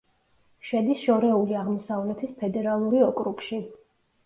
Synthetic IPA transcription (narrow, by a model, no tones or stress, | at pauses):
ʃɛd̪isʃɔɾɛuliaʁmɔsavlɛt̪ʰispʰɛd̪ɛɾalˠuɾiɔkʼɾukʃi